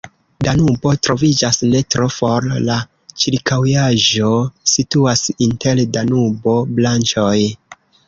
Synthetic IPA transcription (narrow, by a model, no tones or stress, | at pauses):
danubo̞tɾo̞vid͡ʒasne̞tɾofo̞ɾla | t͡ʃiɾkawjaʒo̞situasinte̞ldanubo̞blant͡ʃoj